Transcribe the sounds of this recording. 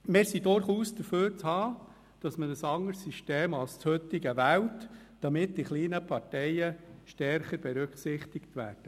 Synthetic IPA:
mɪːɾsidʊɾχuːsd̥̪əføːɾt͡shɑː | d̥ɑsmədəsɑŋəɾsːyʃteːmɑlst͡shøt̪ːɪɡəʋæwt | d̥ɑmɪtd̥iχliːnəpʰɑrtɛjəʃtɛɾχəɾb̥ɛɾʉkχsɪχt̪ɪkt̪ʋæːrd̥ə

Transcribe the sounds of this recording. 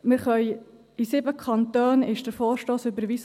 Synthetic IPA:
mɪɾχœʏ | isɪbəkʰɑnt̪øːnɪʃd̥əɾfɔːɾʃtoːsøbəɾʋis

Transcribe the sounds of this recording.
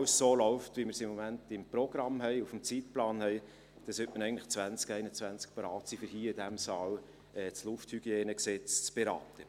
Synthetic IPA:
wsːoːlɔʊftʋimɪɾsɪmːomæntɪmpɾoɡɾɑmɦɛɪufm̩t͡siːt̚plɑːnhɛɪ | d̥ɑsøtmənɛɪɡntlɪχt͡sʋænt͡skɛɪnət͡svænt͡sk̚pɑɾɑːt͡sifʏɾhiːɪd̥æmsɑːl | ɛt͡slʊfthyɡ̥jeːnəksɛt͡st͡sb̥eɾɑ̰ːtə

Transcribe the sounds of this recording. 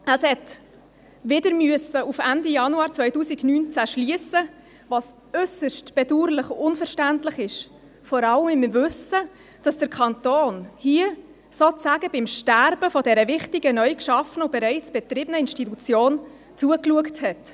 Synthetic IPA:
əshɛt | vɪdəɾmyəsəʔufændijɑnuɑːɾt͡sʋœʏtuːsiɡnyːnt͡sæʃliəsə | vɑs | œsəʃtb̥ɛduːɾlɪχʊnfəɾʃtæntlɪχɪʃ | fɔɾɑləmɪmvʏsə | d̥ɑsd̥əɾkʰɑntoːnhiə | sot͡sæːɡəb̥ɪmʃtæɾb̥əfɔdɛɾəvɪχtiɡənœʏkʃɑfənʊb̥ɛɾæɪt͡sb̥ɛt̪rɪːbənəɪnʃtitut͡sjoːn | t͡suəkluəkthɛt

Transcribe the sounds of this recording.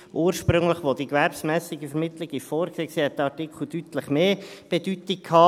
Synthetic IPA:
ʔuːɾʃpɾʏŋləχʋod̥ikʋɛɾpsmɛːsɪɡəfɛɾmɪt̪lɪɡifoːɾkseːkseːhɛt̚dɑtɪkχl̩d̥yt̪ləχmeːb̥ed̥yt̪ik̚kʰhɑː

